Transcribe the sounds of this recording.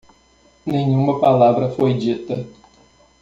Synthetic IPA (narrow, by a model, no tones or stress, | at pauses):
nẽɲ̃ũmɐpalavɾɐfojd͡ʒit̪ɐ